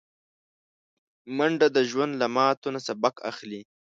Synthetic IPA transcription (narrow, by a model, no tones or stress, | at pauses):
maɳɖad̪əʒwand̪lamɑːt̪unasabaka̰xli